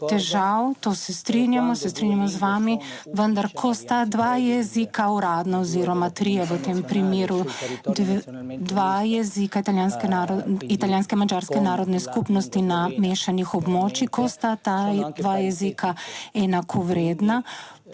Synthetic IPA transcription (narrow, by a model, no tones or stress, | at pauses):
t̪ɛʒawt̪oːsɛst̪ɾinjamɔsɛst̪ɾinjamɔzʋaːmi | ʋənd̪aɾkʰɔst̪ad̪ʋajɛzikauɾaːd̪naɔziɾɔmat̪ɾijɛʋət̪eːmpɾimeːɾu | d̪ʋajɛzikait̪aljaːnskɛnaɾit̪aljaːnskɛmad͡ʒaːɾskɛnaːɾɔd̪nɛskupnɔst̪inameːʃanixɔbmoːt͡ʃikɔst̪at̪ad̪ʋajɛzikʰaɛnakʰɔʋɾeːd̪na